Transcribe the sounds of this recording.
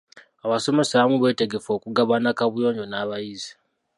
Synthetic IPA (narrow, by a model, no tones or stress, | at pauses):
aβaso̞me̞saβamuβe̞ːte̞ɡe̞fo̞ːkuɡaβanakaβujo̞ːɲɟo̞naːβajizi̥